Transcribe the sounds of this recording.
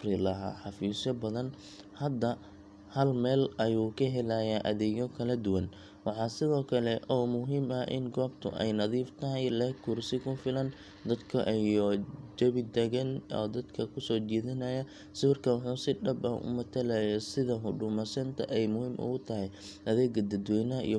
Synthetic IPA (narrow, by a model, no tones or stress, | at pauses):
frɪlɐɦa̰ːħɑfiːsɔbɐðɐn | hɐd̪ɐ | hɐlmɛːlɐjuːkʰɐɦɛlɐjaːʔɐðɛːɣɔkʰɐlɐd̪ʊwɐn | wɑħɑːsɪðɔːkʰɐlɛʔɔːmʊɦiːmɐʔɪ̰ŋɡɔːbt̪ʰʊ̰ʔɛ̰jnɐðiːft̪ʰɐɦɛjlɛhkʰʊrsɪkʰʊfɪlɐn | d̪ɐd̪kʰɐ̰ʔjɔd͡ʒɐβɪd̪ɛɣɐnɔ̰ːd̪ɐd̪kʰɐkʰʊsɔːt͡ʃɛːðɪnɐjɐ | sʊrkʰɐwħuːsɪɖɐbɐʔʊ̰mɐt̪ʰɐlɐjɛsɪðɐɦʊɖʊmɐsɐnt̪ʰɐ̰ʔɛjmʊhiːmʔʊ̰ɣʊt̪ʰɐɦɛj | ʔɐðɛːɡɐd̪ɐd̪wɛjnɐɐʔḭj